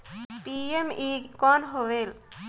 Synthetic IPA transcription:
piemikɔnɦowel

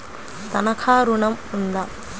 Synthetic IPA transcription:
t̪ɐnɐkʰaːɾuɳɐmund̪a

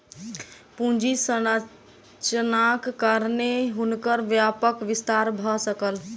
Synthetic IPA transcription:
pũd͡ʒisənə | t͡ʃənakːəɾneɦunkəɾʋjapəkʋist̪aɾbʱɔsəkəl

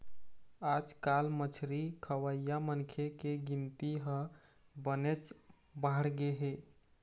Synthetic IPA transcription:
ad͡ʒkalmət͡ʃʰɾikʰəwəjjamənkʰekeɡint̪iɦəbənet͡ʃ | baɦɽɡeɦe

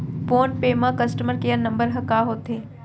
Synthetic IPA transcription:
foːnʈpeːmãkɐsʈəməɾkeɐnɐ̃mbəɾɦɐkaːɦoːt̪eː

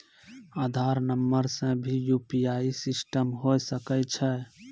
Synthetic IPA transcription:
aːd̪ʱaːɾnəmːəɾsə̃bʱijuːpijaisɪsʈəmɦosəkɛt͡ʃʰɛ

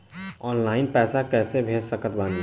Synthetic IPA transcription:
ɔːnlaːɪnpɛːsakɛːsebʱeːd͡ʒsəkət̪̚ban

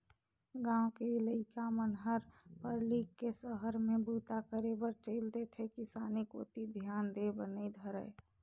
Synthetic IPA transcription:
ɡãːokeɪləɪkamənɦəɾpəɾlikːesəɦəɾmẽbuːt̪akəɾebəɾt͡ʃeːld̪et̪ʰekisaːniko̰ːt̪id̪ʱjaːnd̪ebənid̪ʱəɾəe

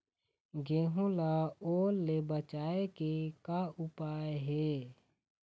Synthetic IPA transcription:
ɡeːɦulaoːɾlebət͡ʃaːekekaʊpaːeɦe

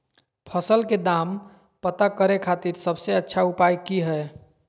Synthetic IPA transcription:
pʰəsəlked̪am | pət̪akəɾekʰat̪iɾsəbseətːʃʰaupajkiɦɛ

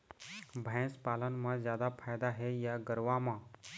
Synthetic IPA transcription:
bʱɛ̃ːspaːlənmãzjaːd̪apʰaːjd̪aɦɛjaɡəɾʋamãː

